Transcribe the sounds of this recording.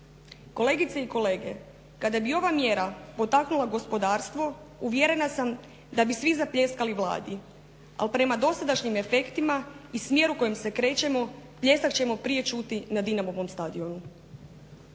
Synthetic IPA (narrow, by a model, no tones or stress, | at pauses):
ko̞le̞ɡit̪seiko̞le̞ːɡe̞ | kad̪abio̞ʋamje̞ɾapo̞t̪aknulˠaɡo̞spo̞d̪aːɾst̪ʋo̞ | uʋjeɾe̞nasam | d̪abisʋizapʎe̞skaliʋlˠa̰ːd̪i | a̰lpɾe̞mad̪o̞sad̪aʃɲime̞fe̞kt̪imaismje̞ɾuko̞jemse̞kɾe̞t͡ɕe̞mo̞plʎe̞sakt͡ɕe̞mo̞pɾije̞t͡ʃut̪inad̪inamo̞ʋo̞mst̪ad̪io̞nu